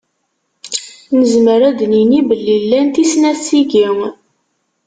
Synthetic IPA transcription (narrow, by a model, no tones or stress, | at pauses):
nəzməɾæd̪ninibəlːilːænt̪isnæt͡sːiɡiŋ